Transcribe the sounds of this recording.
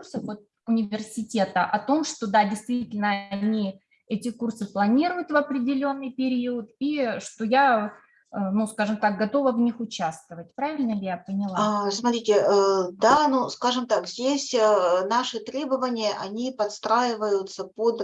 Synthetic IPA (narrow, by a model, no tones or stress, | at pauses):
kursəxot̪̚ | ʊnʲɪvʲɪrsʲɪtʲe̞t̪əʔɐt̪o̞mʂt̪o̞d̪adʲɪjst̪vʲitʲɪlʲnəɐnʲi | ɛtʲɪkursɨplˠɐnʲiɾʊjʊt̪vɐpɾʲɪdʲɪlʲo̞nːɨjpʲɪɾʲiʊət̪iʂt̪o̞ja | nuskaʐɨmt̪ak̚ɡɐt̪o̞vəvnʲixʊt͡ɕast̪əvət̚ʲpɾavʲɪlʲnəlʲɪjapənʲɪlˠsmɐt̪ɾʲitʲɪd̪anuskaʐɨmt̪akzʲdʲesʲənaʂɨt̪ɾʲe̞bəvənʲɪjəʔɐnʲipɐt̪st̪ɾajɪvəjʊt̪səpod̪